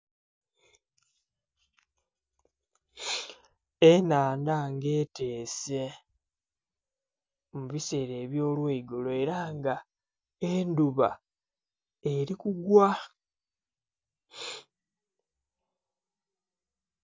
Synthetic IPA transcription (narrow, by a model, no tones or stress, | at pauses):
enaːndaŋɡe̞ːte̞ːse̞ | muβise̞ɾe̞ːβjo̞ːlweiɡoloe̞ɾaːŋɡa | enduβa̰ | e̞ɾikuɡwa